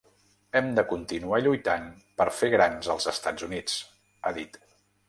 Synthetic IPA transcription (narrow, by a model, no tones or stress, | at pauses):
ɛmd̪əkunt̪inuaʎujt̪an | pəɾfeɣɾanzəlˠzəst̪ad͡zunit͡s | aðit̪